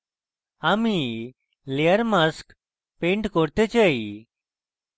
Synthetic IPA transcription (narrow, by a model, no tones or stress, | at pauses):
ami | leəɾmask | pẽɳʈkɔɾt̪et͡ɕai